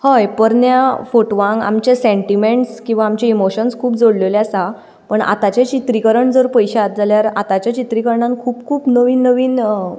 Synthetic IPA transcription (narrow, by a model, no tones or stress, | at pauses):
həjpəɾnjafoʈʋãŋɡa̰mt͡ɕasẽɳʈimeɳʈskĩw̃ʋaːmt͡ɕaimoɕənskʰuːpd͡zoɽleleasa | pəɳa̰t̪at͡ɕat͡ɕit̪ɾikəɾəɳd͡zəɾpəjɕaat̪̚d͡zaljaɾa̰t̪at͡ɕat͡ɕit̪ɾikəɾɳãnkʰuːpkʰuːpnəʋiːnːəʋiːn